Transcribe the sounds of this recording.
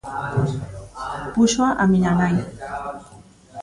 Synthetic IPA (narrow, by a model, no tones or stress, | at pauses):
pʊʃwaʔamɪʎanaj